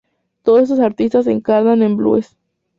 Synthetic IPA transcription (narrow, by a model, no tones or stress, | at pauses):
t̪oðosesosaɾt̪ist̪as̬eŋkaɾnane̞mblṵes